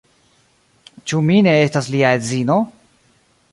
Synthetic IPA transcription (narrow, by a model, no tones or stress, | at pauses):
t͡ʃumine̞estasliaezino̞